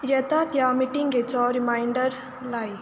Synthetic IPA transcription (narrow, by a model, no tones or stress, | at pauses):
jɐt̪at̪jamiʈiŋɡet͡sɔːɾimaːɪɳɖəɾ | laːj